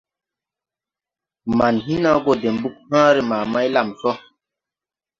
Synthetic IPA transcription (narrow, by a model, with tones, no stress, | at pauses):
ma˨nɦi˦na˦ɡo˨de˨mbu˦k̚hãː˦ɾe˨maː˨ma˦jla˨msɔ˦